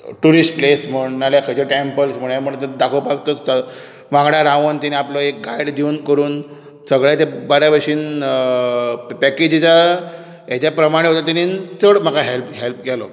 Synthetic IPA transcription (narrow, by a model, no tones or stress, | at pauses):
ʈuɾisʈplesm̤əɳnalakʰəd͡ʑeʈempəlsm̤əɽ̃ajm̤əɳt̪əd̪akʰopakt̪ɔ | ʋãŋɡɽaɾãʋənt̪iniaplɔek̚ɡajɽd̪iunkəɾuːn | səɡɭjat̪ebaɾjaʋəʂiːn | pɛked͡ʑid͡ʑa | ɦet͡ɕjapɾəmaɽ̃eɦot̪at̪anint͡səɽm̤əkaɦelpɦelpkɛlɔ̰